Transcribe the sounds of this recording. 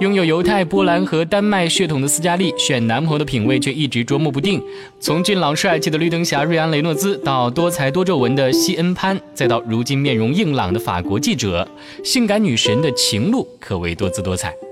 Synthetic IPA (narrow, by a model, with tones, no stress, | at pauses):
jʊ˥ŋjo˨˩ʊjo˧˥ʊt̪ʰa˥˩ɪpwɔ˥la˧˥nxɤ˧˥t̪a˥nma˥˧ɪɕɥɛ˥˩t̪ʰʊ˨˩ŋd̪ə˦sɹ̩˥t͡ɕja˥li˥˩ɕɥɛ˨˩nna˧˥npʰɤ˧˥d̪ə˧pʰi˨˩nwe˥˧ɪt͡ɕʰɥɛ˥˧i˥˩ʈ͡ʂɻ̩˧˥ʈ͡ʂwɔ˥mu˥˩p̬u˧˥t̪i˥˩ŋ | t͡sʰʊ˧˥ŋt͡ɕy˥˩nlɑ˨˩ŋʂa˥˧ɪt͡ɕʰi˥˩d̪ə˩ly˥˩t̪ɤ˥ŋɕja˧˥ɻu˥˩a˥nle˧˥ɪnɔ˥˩t͡sɹ̩˥t̪ɑ˥˩ʊt̪wɔ˥t͡sʰa˧˥ɪt̪wɔ˥ʈ͡ʂo˥˩ʊwə˧˥nd̪ə˧ɕi˥ʔə˥npʰa˥nt͡sa˥˧ɪt̪ɑ˥˩ʊɻu˧˥t͡ɕi˥nmjɛ˥˩nɻʊ˧˥ŋi˥˩ŋlɑ̰˨˩ŋd̪ə˦fa̰˨˩kwɔ˧˥t͡ɕi˥˩ʈ͡ʂɤ̰˨˩˦ | ɕi˥˩ŋka˧˥nny˨˩ʂə˧˥nd̪ə˧t͡ɕʰi˧˥ŋlu˥˩kʰɤ˨˩we˧˥ɪt̪wɔ˥t͡sʰɹ̩˥˩t̪wɔ˥t͡sʰa̰˨˩ɪ